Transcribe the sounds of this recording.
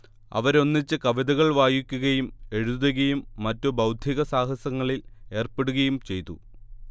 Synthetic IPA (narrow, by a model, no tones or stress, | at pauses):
ɐ̰ʋɐɾo̞nːit͡ɕːɨkɐʋid̪ɐɣɐɭʋaːjikʲːuɣɐjume̞ɻuðɐɣɐjumːɐtːobɐwd̪ʱiɣɐsaːɦɐsɐŋːɐɭile̞ːrpe̞ɽuɣɐjumt͡ɕe̞jt̪ːṵ